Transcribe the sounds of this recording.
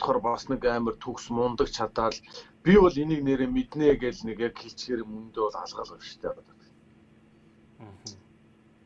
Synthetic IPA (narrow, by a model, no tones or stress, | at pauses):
t̪χɔːrpasnĭkæːmə̆rt̪ʰuksmʊnt̪ə̆k̚t͡ɕʰat̪aːɮpʲiɔɮeniːkneɾeːmet̪neːɡeɮneɣeːkxeɬt͡ɕɡeːɾĭːmɵnt̪eːʊɮa̰ɮʁə̆ɮɔʃt̪ʰeːpat̪ə̆t̪